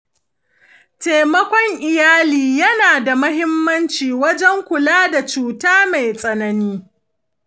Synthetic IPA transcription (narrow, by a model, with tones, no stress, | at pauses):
te˨mɐ˦kʷɔ˦ŋʔɪ˨jaː˦liː˨jɐ˦naː˨da˨mɐ˦ɦɪ˦mːɐ˦nt͡ʃiː˨wɐ˦d͡ʒɛ˦ŋkʷʊ˨laː˦da˨t͡ʃuː˨taː˦ma˨jsʼɐ˨nɐ˦niː˦